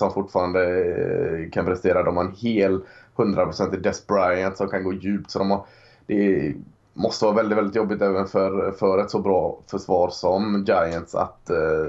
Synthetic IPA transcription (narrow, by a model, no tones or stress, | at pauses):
sɔmfʊʈːfɑːɾand̪ə | kʰanpʰɾɛst̪eːɾad̪ɔmhaɾɛnheːlhɵnd̪ɾapʰɾʊsɛnt̪ɪd̪ɛsbɾajant̪sɔmkʰanɡoːjʉ̟ːpt̪sɔd̪ɔmaɾ | d̪̥ɛ | mɔst̪əvɑːɾavɛld̪ɪt̪vɛlɪt̪jɔbːɪt̪ɛːvənfœɾfœɾɛt̪sɔbɾɑːfœʂvɑːɾʂɔmd͡ʒajənt̪sa̰t̪